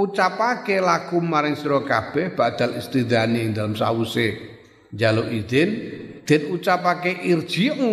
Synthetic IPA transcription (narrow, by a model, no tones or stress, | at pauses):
ut͡ʃapakelakʊmːaɾɪŋsɾɔkab̥ɛhb̥aʔd̪̥a̤list̪id̪aniɪŋd̪alamsa̰use | ɲd͡ʒaloʔid̪̥ɛnd̪̥ɛ̤nut͡ʃapakeʔird̥ʒ̥iŋ